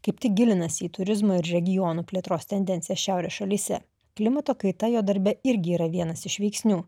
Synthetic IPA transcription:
kɐɪpt̪ʲɪk̚ɡʲɪlʲɪnɐsʲiːt̪ʊɾʲɪzmɐːɪɾɾʲɛɡʲɪjɔːnuːpʲlʲiɛt̪ɾoːst̪ʲɛnʲd̪ʲɛnʲt̪ʲɪjɛsʃʲæˑʊɾʲeːsʃɐlʲiːsʲɛ̰ | klʲɪmɐt̪oːkɐɪt̪ɐjoːd̪ɐɾʲbʲɛɪɾʲɡʲɪːɾɐʋʲiɛnɐsɪʃʋʲɛɪksʲnʲuː

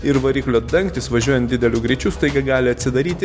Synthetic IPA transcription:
ɪɾʋɐɾʲiːklʲoːd̪ɐŋkt̪ʲɪsʋɐʒʲuɔjɛnt̪̚d̪ʲɪdʲɛlʲʊɡɾʲit͡ʃʲuːst̪ɐɪɡɐɡɑːlʲɪɐt̪ʲsʲɪd̪ɐɾʲiːt̪ʲɪ

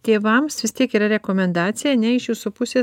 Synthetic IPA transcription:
t̪ʲeːʋɐmsʋʲɪst̪ʲiɛkiːɾɐɾʲɛkoːmʲɛnd̪ɑːt̪sʲɪjɛnʲɛɪʃjuːsupʊsʲeː

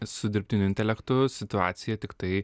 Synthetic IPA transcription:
sʊd̪ʲɪɾʲpʲt̪ʲɪnʲʊɪnʲt̪ʲɛlʲɛkt̪ʊsʲɪt̪ʊa̰ːt̪sʲɪjɛt̪ʲɪkt̪ɐɪ

